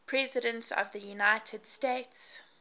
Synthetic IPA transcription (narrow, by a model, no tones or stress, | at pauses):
pʰɹ̥ɛzɪɾə̃ntsɔ̰vðəjunaɪtʰəd̥steɪts